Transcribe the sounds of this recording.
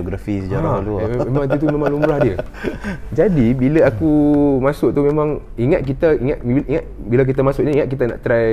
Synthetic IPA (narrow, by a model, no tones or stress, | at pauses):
oɡɾafisəd͡ʒaɾaluemãŋt̪it̪̬umemãŋlumbɾahdiə | d͡ʒadibiləakumasʊʔ̚t̪umemãŋ | iŋat̪̚k̬it̪aiŋat̪̚ʔiŋat̪̚bilak̬it̪amasʊk̚ɲəiŋat̪̚kit̪ana̰ʔt̪ɾaj